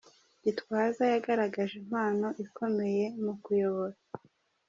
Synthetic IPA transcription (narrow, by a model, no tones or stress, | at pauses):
ɟitwaːzajaɡaɾaɡaʒim̥aːno̞ʔiko̞me̞je̞mukujo̞βo̞ɾa